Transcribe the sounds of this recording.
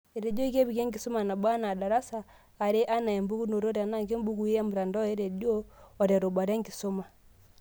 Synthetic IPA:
e˨ɾe˨dɔ˦i˦ɣe˦βi˨ɣɛ˦ŋɡi˨sɔ˦ma˨na˨ba˦na˨da˨ɾa˦saː˨ | ɾe˦ʔa˦na˨ɛ˨mbu˦ɣu˦no˨ɾo˦ɾa˨na˦ŋɡe˦m˦bu˦ku˦ɛ˦mu˨ɾa˨ndɔ˦ɛ˦ɾe˨doː˦˨ɾa˨ɾo˨ba˨ɾɛ˦ŋɡi˨sɔ˦ma˨

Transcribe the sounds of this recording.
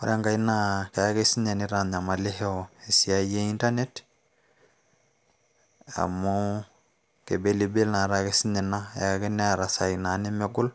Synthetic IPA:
o˨ɾe˦ŋɡa˨i˦na˦ka˨ja˦ke˦si˦ɲe˨ni˦ɾa˨ɲa˨ma˨le˦he˦oe˨sia˦je˦i˦nta˦ne˦t | a̰˨mu | ke˨be˦li˨be˦lna˨ɾa˨kesi˦ɲe˨na̰˦ake˦ne˦a˨ɾa˨sa˨ina˨ni˦meɡu˦l

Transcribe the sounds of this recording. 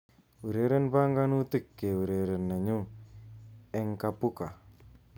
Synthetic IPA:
wu˨ɾe˨˦ɾe˦nba˦ŋɡa˦nu˦ti˦˨kːe˨wu˨ɾe˨ɾe˨nːe˨ɲu˦ | ɛ˦ŋka˨pu˦ka˨

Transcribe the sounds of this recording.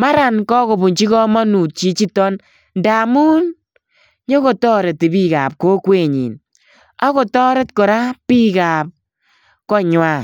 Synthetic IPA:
ma˦ɾa˨nkɔ˦ko˨bu˨ɲt͡ʃi˦kɔ˦mɔ˦nu˨t̚t͡ʃi˨t͡ʃi˦tɔ˦n | nda˨muː˦n | ɲo˦ko˨tɔ˦ɾe˨ti˨bi˦ka˨p̚ko˦kwe˨ɲḭ˨n | a˦ko˨tɔ˦ɾe˦tkɔ˨ɾa˦pi˦kaː˨p̚ | kɔ˦ɲwa˨

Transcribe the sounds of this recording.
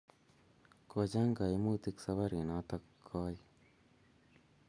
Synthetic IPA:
ko˨d͡ʒa˦ŋɡa˨i˦mu˦t̪i˦ksa˦βa˦ɾi˨na˨˦t̪a˦kkʰːɔ˦j

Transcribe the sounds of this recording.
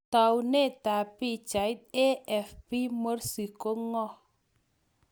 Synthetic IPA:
ta˨wne˦˨ta˨pi˦t͡ʃa˨i˦t̚e˦ɛ˨fpi˦mo˦ɾsi˨ko˦ŋɔ˦˨

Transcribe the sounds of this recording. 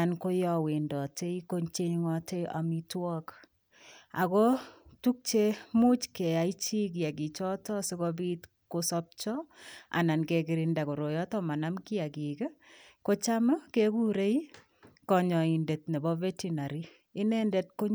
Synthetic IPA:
a˨nko˦jɔ˨we˨ndɔ˨te˦i˦ko˦ɲt͡ʃe˦ŋɔ˨te˦a̰˨mi˦twɔ˦k | a̰˨kɔ˦tu˦k̚t͡ʃe˦mʊ˦t͡ʃke˨a˨it͡ʃi˦k̬i˨a˨ki˨t͡ʃɔ˦tɔ˦sɪ˦kɔbi˦t | ko˦sɔp̚t͡ʃɔ˦a̰˨na˨nke˨kɪ˨ɾɪnda˨ko˨ɾo˨jɔ˦tɔ˦ma˨na˦mkɪ˦a˨ki˨kɛ˦ko˦t͡ʃa˦ma˦keku˦ɾe˦i | kɔ˨ɲɔ˨i˨nde˨t̚nɛ˨bɔ˦vɛ˦ti˦na˨ɾi˦ | ɪ˦nɛ˦ndɛ˦t̚ko˦ɲ

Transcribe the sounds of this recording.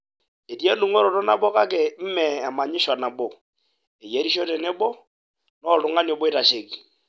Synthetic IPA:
e˨ti˦e˦nu˦ŋɔ˦ɾɔ˨tɔ˦na˦bɔ˦ka˦kɛ˨m̩˦mɛ˨a˨ma˨ɲɪ˦ʃwa˨na˨bo˨ | e˨je˦ɾi˦ʃo˦tɛ˨nɛ˦bɔ˦ | nɔ˦lʊ˨ŋa˦nɔ˨bɔ˦e˦ta˨ʃe˨ki˨

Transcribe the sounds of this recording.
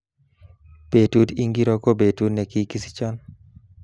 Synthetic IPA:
b̥e˨tu˦di˦ŋɡi˦ɾɔ˦ko˦be˨tu˦dnɛ˨ki˦ki˦si̥˦t͡ʃɔ˦n

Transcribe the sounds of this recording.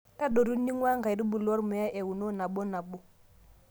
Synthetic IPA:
ta˦ɗo˨ɾu˦ni˦ŋwa˦ŋɡa˨di˦bu˨lɔ˦ɾmɔ˨ja˦ʔe˨wu˨no˦na˨ɓo˦na˨ɓo˦

